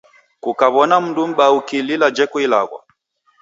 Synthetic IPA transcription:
kukaβɔnam̩ndum̩ɓaukililad͡ʒɛkuilaɣwa̰

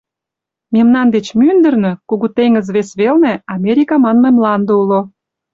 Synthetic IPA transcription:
memnɑnd̪et͡ɕmynd̪ə̆rnø̆kuɣut̪eŋəzβesβelneɑmeɾʲikɑmɑnmɤmlɑnd̪oulo

